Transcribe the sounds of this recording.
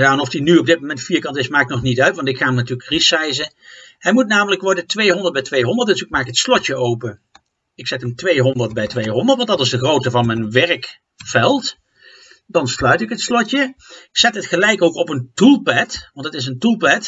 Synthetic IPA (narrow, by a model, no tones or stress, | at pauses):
jaənɔfdinyɔb̚dɪt̚momɛntfiːɹkɑntɪsmaːkɪknɔχnitœɥtʋɑntɪkχaːɦəmnatyːləkrisɛjzə | hɛjmutnaːmələkʋɔɹdətʋejɦɔndəɹt̚bɛjtʋejɦɔndəɹtəsɪmaːɪkɦətslɔtjəowpə | ɪksɛtɦəmtʋejɦɔndəɹt̚bɛjtʋejɦɔndəɹtʋɑntdɑtɪzdəχrowtəvɑnmɛjnʋɛrk | fɛlˠt | dɑnslœɥtɪkɦətslɔtəz̥ɛtɦətχəlɛjkowkɔpəntulˠpɛtʋɑntətɪs̬əntulˠpɛt